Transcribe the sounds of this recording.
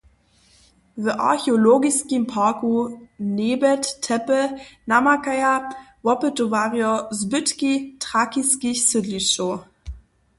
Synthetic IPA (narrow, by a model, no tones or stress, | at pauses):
ðəʔa̰ɐçeoloːɡiskimpʰaːkuneːbɛttʰːɛpənamakaja | vɔpətovaʁjozbʏtkitʁ̥akiskɪçsʏdliʃo